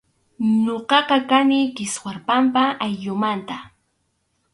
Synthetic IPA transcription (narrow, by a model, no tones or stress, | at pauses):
ɲoqɑqɑkanɪkɪswaɾpampaːjʎʊmant̪a